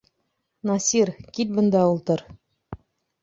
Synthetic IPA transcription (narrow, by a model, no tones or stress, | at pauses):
nɑsʲiɾkit̪̚bɤ̆nd̪ɑulˠt̪ɤ̆ɾ